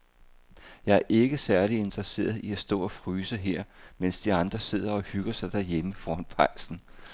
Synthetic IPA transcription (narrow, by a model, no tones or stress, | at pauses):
jɑ̈ɪæɐʔe̝ɡ̥əsæɐlie̝nd̥ʁɐse̝̰ːɐð̞ˠiæsd̥ɔ̰̽ːɒ̽fʁyːsəɦeɐ̰mensd̥iɑ̈nd̥ʁɐse̝ð̞̰ˠɐɒ̽hyɡ̥ɐsɑ̈ɪd̥æɐjeməfɒːhɒnpʰɑ̈ɪ̰sn̩